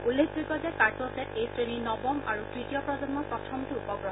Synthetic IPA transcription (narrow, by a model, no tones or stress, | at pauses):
ulːekbɹikɔzɛkaɹtɔsɛtejsɹeninɔbɔmʔa̰ɹutɹitijɔpɹɔzɔnmɔpɹɔtʰɔmtʊupɔɡɹɔɦɔ